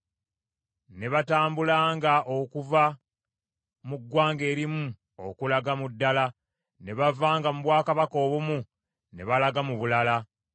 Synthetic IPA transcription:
ne̞βataːmbulaːŋɡaʔo̞kuva | muɡwaːŋɡe̞ːɾimu | o̰kulaɡamudːala | ne̞βavaːŋɡamuβwaːkaβako̞ːβumu | ne̞̰βalaɡamuβulala

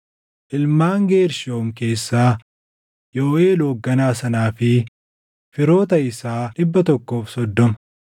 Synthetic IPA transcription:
ʔɪlmaːŋɡe̞ːɾʃoːmke̞ːsːaː | joːʔe̞ːloːɡːɐnaːsɐnaːfɪ | fɪɾo̞ːt̪ɐɪsaːᶑɪbːɐt̪ɔkːo̞ːfsɔd̪ːɔmɐ̥

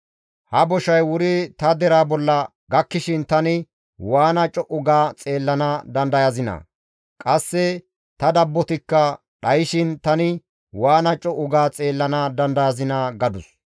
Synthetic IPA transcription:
hɐbɔʃɐjwʊɾɪt̪ɐd̪ɛɾaːbɔlːɐ | ɡɐkːɪʃɪnt̪ɐnɪ | waːnɐt͡ʃʼɔʔʊɡaːt͡sʼe̞ːlːɐnad̪ɐnd̪ɐjɐzɪnɐ̰ | kʼɐsːɛ | t̪ɐd̪ɐbːɔt̪ɪkːɐ | ɗɐjɪʃɪnt̪ɐnɪ | waːnɐt͡ʃʼɔʔʊɡaːt͡sʼe̞ːlːɐnad̪ɐnd̪ɐjɐzɪnɐɡɐd̪ʊs

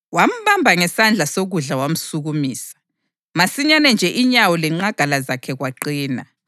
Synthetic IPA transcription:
wam̩βambʱaŋɛsand͡ɮʱasoɣuɮawam̩suɣumiːsḁ | masiɲanɛnd͡ʒʱɛʔiɲawɔlɛŋ͡ǃaɡ̥ʱalazakʰɛɣwaǃiːna

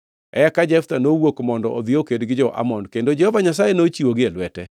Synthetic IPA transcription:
ɛ̰akad͡ʒɛft̪anowokmɔndɔʔod̪ɪokedɡɪd͡ʒɔʔa̰mɔnkendod͡ʒɛhɔvaɲasajenot͡ʃiwoɡɪɛlwɛtɛ̰

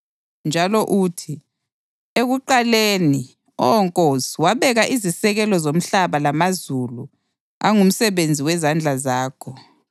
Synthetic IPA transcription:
nd͡ʒʱalɔʔuːtʰi | eɣuǃaleːni | ɔ̰ɔŋkʼosiwaβɛɣaʔizisɛɣɛlɔzom̩ɬaβalamazulu | a̰ŋum̩sɛβend͡zʱiwɛzand͡ɮʱazaːkʰɔ

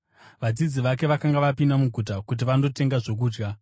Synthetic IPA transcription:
ʋad͡zid͡ziʋake̞ʋakaŋɡaʋapindamuɡʱut̬akut̬iʋando̞te̞ŋɡaʐo̞k̬uːd͡ʒɡa

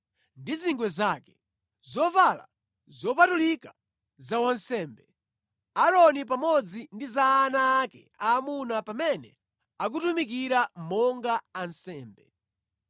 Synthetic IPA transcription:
ndiziŋɡwɛzakɛ̥ | zɔvala̰ | zɔpatulika | zawansɛːmbɛ | aɾɔnip̬amɔd͡zindizaːnaːkɛ̰ | aːmunapamɛnɛ | ak̬utumik̬iɾamɔŋɡaːnsɛːmbɛ

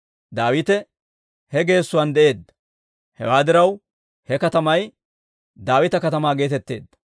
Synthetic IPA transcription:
d̪aːwɪt̪ɛ | hɛɡe̞ːsːʊwand̪ɛʔe̞ːd̪ːɐ̥ | hɛ̰waːd̪ɪɾɐw | hɛkɐt̪ɐmɐj | d̪aːwɪt̪ɐkɐt̪ɐmaːɡe̞ːt̪ɛt̪ːe̞̰ːd̪ːɐ̥

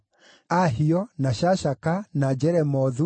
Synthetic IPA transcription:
aɦiɔnaʃaʃakanad͡ʒɛɾɛmɔðu

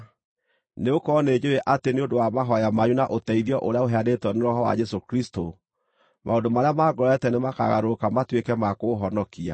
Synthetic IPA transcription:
neokɔneːd͡ʒeɾeʔateneondowamaɦɔjamaɲunaʔotɛiðjɔʔoɾeaoɦɛadetwɔneɾɔɦɔwa̰d͡ʒɛsokɾisto | mʔaondomaɾeamaɡɔɾɛtɛnemaka̰ɣa̰ɾokamatwekɛmakoɦɔnɔkia̰

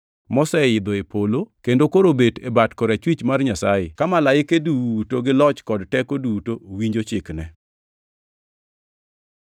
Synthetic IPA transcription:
mɔsɛɪd̪ɔepolokendokoɾobetebatkɔɾat͡ʃwit͡ʃmarɲasajɪkamalaɪkeduutoɡɪlɔt͡ʃkɔdtɛkodutowiɲd͡ʒot͡ʃɪknɛ

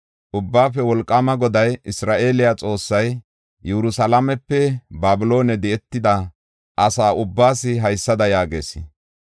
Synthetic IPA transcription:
ʔʊbːaːfɛwɔlkʼːɐmɐɡɔd̪ɐjɪsɾaːʔe̞ːlɪjat͡sʼo̞ːsːɐj | jɛɾʊsɐlɐmɛpːɛbaːbɪlo̞ːnɛd̪ɛɛt̪ːɪd̪ɐ | ʔɐsaːʔʊbːaːsɪɦɐjsːɐd̪ɐjaːɡḛːsɪ

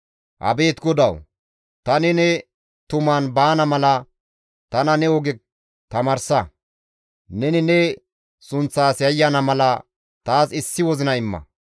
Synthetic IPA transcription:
ʔɐ̰be̞ːt̪ɡɔd̪ɐw | t̪ɐnɪnɛ | t̪ʊmaːnbaːnɐmɐlɐ | t̪ɐnɐnɛɔɡɛ | t̪ɐmɐɾsɐ | nɛnɪnɛ | sʊnt͡sːaːsjɐjːɐnɐmɐlɐ | t̪aːsɪsːɪwɔzɪnɐɪmːɐ̰

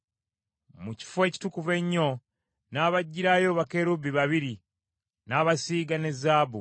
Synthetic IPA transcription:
muci̥fwe̞ːci̥tukuve̞ɲːo̞ | naːβaɟːiɾajo̞ːβake̞ɾubiβaβiɾi | naːβasiːɡanezaːβu

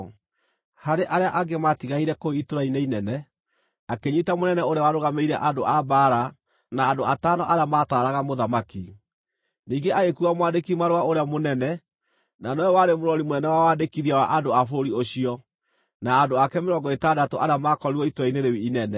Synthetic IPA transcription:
haɾeʔaɾeaʔaɡematiɣaiɾɛkoitoɾaineinɛnɛ | akeɲitamonɛnɛoɾeawaɾoɣameiɾɛʔadoʔabaːɾa | naːdoatanɔʔaɾeamataːɾaɣamoðamaki | niːŋɡeaɣekuɣamwandekimaɾwaoɾeamonɛnɛ | nanɔwaɾemoɾɔɾimonɛnɛwawandekiðiawaʔandoafoɾioɕiɔ | naːdoakɛmeɾɔŋɡɔetadatoʔaɾeamakɔɾiwɔitoɾaineɾewiinɛnɛ

